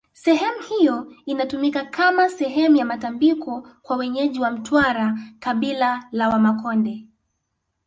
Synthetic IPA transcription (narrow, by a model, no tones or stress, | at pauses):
sɛɦɛmuhijɔinatumikakʰamasɛɦɛmujamatambikʰɔkwawɛɲɛʄiwam̩twaɾakaɓilalawamakɔndɛ